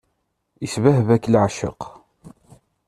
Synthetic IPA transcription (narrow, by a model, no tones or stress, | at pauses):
isvæhvækːlʕʃə̰q